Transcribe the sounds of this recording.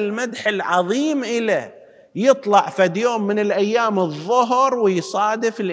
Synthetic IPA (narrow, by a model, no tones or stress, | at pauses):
lmad̪ħɪlʕɑðˤiːmʔɪla | jɨt̪ˤlɑʕfad̪joːmːɪnɪlʔajːaːmɨðˤːʊɦɾwɪjsˤɑːd̪ɪfɪlʔ